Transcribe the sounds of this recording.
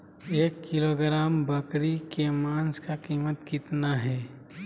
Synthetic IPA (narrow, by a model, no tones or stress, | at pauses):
eːkːɪloːɡɾaːmbəkɾikemãːnskakiːmət̪kɪt̪naɦɛː